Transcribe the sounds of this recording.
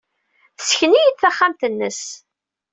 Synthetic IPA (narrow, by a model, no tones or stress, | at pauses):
θsçənijəθθæχːamt̪ənːəs